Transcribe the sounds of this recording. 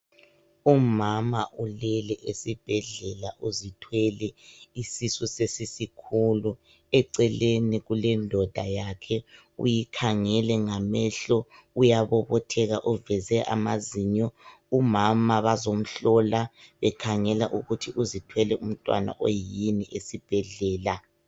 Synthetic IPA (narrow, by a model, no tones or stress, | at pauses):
umamaʔulɛlɛʔesib̥ʱɛɮɛlaʔuzitʰwɛlɛisisusesisikʰulu | ɛǀɛleniɣulɛndʱɔd̥ʱajakʰɛ | ṵjikʰaŋɛlɛŋamɛɬɔujaβɔβɔtʰɛɣaʔuvɛzɛʔa̰maziɲɔ | umamaβazom̩ɬɔlaβɛkʰaŋɛlaʔuɣutʰiʔuzitʰwɛlɛʔum̩tʼwa̰na̰ʔojiniʔesib̥ʱɛɮɛːla